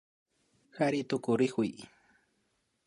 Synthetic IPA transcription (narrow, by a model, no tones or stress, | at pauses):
xaɾɪt̪ʊkʊɾɪkʊj